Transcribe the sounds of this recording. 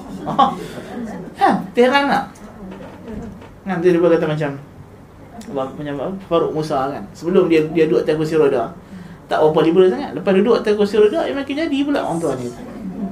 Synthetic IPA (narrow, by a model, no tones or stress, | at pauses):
ɔ | at̪əheɾanaʔ | ŋant̪idibakat̪amat͡ʃam | bamat͡ʃamafaɾʊʔmusakansəbəlʊmdiadiaduaʔt̪ak̬us̬iɾodat̪a̰ʔwɔmpadibulaʔs̬aŋa̰ʔləpasdudʊʔt̪akosiɾodaimakiɲadibula̰ʔʔɔ̰mpɔanit̪u̥